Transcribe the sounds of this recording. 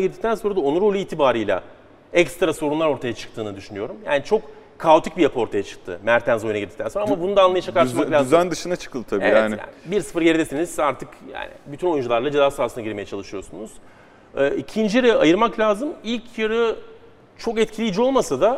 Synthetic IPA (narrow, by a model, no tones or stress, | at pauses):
ɡɟiɾd̪ict̪ʰænso̞nɾad̪aonuɾolʲiːt̪ʰibaːɾɯjlʲa̰ | ɛkst̪ɾaso̞ɾunlˠaɾo̞ɾt̪ʰajat͡ʃʰɯ̥k̚t̪ʰɯːnɯd̪yʃynyjo̞ɾumja̰ːnit͡ʃʰo̞k | kʰːaot̪ʰicbijapʰɯo̞ɾt̪ʰajat͡ʃʰɯ̥k̚t̪ʰɯ̰mæɾt̪ʰænzo̞junaɡɟiɾd̪ict̪ʰænsoɾaamabunud̪anlˠajad͡ʒʰakaɾʃmlazænd̪ɯʃɯnat͡ʃʰɯ̥kʰɯld̪ɯt̪ʰabeḭːjɛaːnija̰ːnbiɾsɯ̥fɯɾɟeɾd̪esinizaɾt̪ʰɯkja̰ːnɪ̰byt̪ʰyno̞jund͡ʒulˠaɾlˠad͡ʒezaːsaːsɯnaɟiɾme̞jɛt͡ʃʰalˠɯʃɯjo̞sunuz̥ | ɛːicʰind͡ʒijɾɯajɯɾmaklʲaːzɯmilʲcʰjɯɾɯ | t͡ʃʰo̞kɛt̪cʰilʲijːd͡ʒio̞lˠmasad̪a